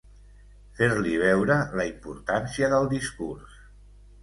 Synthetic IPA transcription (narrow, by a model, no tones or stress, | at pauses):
feɾliβ̞ɛwɾələimpuɾt̪ansiəðəlˠd̪iskurs